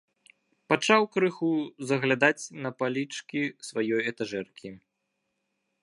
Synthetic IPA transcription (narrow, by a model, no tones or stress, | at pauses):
pat͡ʂawkɾɨxuzɐɣlʲad̪at͡sʲnɐpalʲit͡ʂkʲisvajɔjɛt̪aʐɛrkʲi